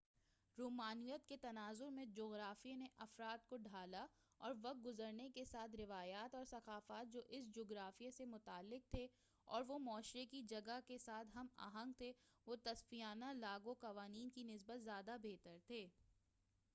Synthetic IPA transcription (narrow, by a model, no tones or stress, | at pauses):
ɾoːmaːnijət̪ket̪ɐnaːzʊɾmẽd͡ʒoːɣɾaːfieneʔɐfɾaːt̪̚koɖʱaːla | ɔːɾʋɐq̚ɡʊzəɾnekesaːt̪ʰɾɪʋaːjaːt̪ɔːɾsɐqaːfaːt̪̚d͡ʒoːʔɪsd͡ʒoːɡɾaːfijesemʊt̪aːlːɪq̚t̪ʰe | ɔ̰ːɾʋomɔːʃɾekid͡ʒɐɡakesaːt̪ʰɦɐma̰ːɦə̃ŋɡt̪ʰeʋot̪ɐsfijaːnalaːɡoqɐʋaːniːnkinɪs̬bət̪zjaːd̪abeːt̪əɾt̪ʰeː